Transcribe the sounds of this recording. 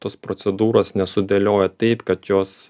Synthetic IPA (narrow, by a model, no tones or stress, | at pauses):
t̪oːspɾosʲɛd̪uːɾoːsnʲɛsʊd̪ʲelʲoːjɛt̪ɐɪpkɐt̪joːs